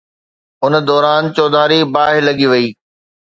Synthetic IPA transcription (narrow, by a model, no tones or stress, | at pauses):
ʊnd̪ɔːɾaːnt͡ɕɔːd̪aːɾibaːɦɪlɐɠiʋɐiː